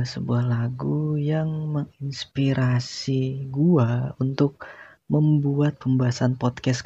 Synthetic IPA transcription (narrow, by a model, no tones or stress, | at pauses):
səbuahlaɡujaŋməŋinspiɾasiɡuaunt̪ʊk̚ | məmbuat̪̚pəmbaasanpɔt̪̚kɛs